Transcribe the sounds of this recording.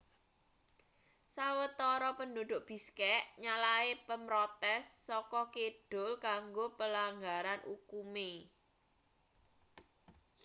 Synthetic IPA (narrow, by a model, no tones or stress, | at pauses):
sawət̪ɔɾɔpənɖod̪̥ʊʔb̥i̤skɛʔɲalaepəmɾɔt̪ɛsːɔkɔkeɖ̥o̤lkaŋɡopəlaŋɡaɾanʔṵkume